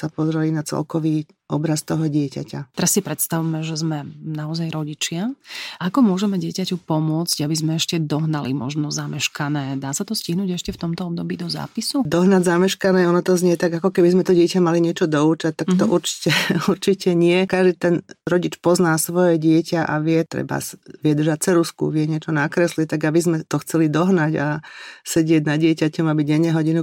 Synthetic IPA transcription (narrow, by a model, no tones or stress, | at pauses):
sapɔzɾɛlinat͡sɛ̰lkɔʋiː | ʔɔbɾast̪ɔɦɔɟɪɛca̰ca̰t̪ɛɾasːipɾɛt̪st̪aʋumɛʒɛzmɛnaɔzajɾɔɟit͡ʃɪaʔakɔmʊɔʒɛmɛɟɪɛcacupɔmʊɔt͡sɟabizmɛɛʃcɛd̪ɔɦnalḭmɔ̰ʒnɔzamɛʃkanɛːd̪aːsat̪ɔsciɦnuːɟɛʃcɛft̪ɔmt̪ɔɔb̚d̪ɔbiːd̪ɔza̰ːpisud̪ɔɦnaɟzamɛʃkanɛːɔnɔt̪ɔzɲɛt̪aɡakɔkɛbizmɛt̪ɔɟɪɛcamaliɲɪɛt͡ʃɔd̪ɔuːt͡ʃac̚t̪akt̪ɔʔuɾt͡ʃi̥cɛuɾt͡ʃicɛɲɪɛkaʒd̪it̪ɛnɾɔɟit͡ʃpɔznaːsʋɔjɛɟɪɛcaʔa̰ʋɪɛt̪ɾɛ̰ba̰sʋɪɛd̪r̩ʒac̚t͡sɛɾuskṵʋɪɛɲɪɛt͡ʃɔnakɾɛslit̪aɡabizmɛt̪ɔxt͡sɛlid̪ɔɦnaɟasɛɟɪɛɟnadɪɛcacɔmabiɟɛɲːɛɦɔɟinu